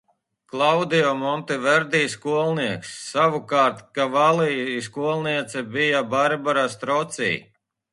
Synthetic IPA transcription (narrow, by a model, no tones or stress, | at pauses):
klˠawd̪ijɔmɔnt̪ivɛɾd̪iːskuɔlˠniɛksːaʋukaːɾt̪kavalˠiskuɔlˠniɛt̪sɛbijabaɾbaɾast̪ɾɔt̪sḭː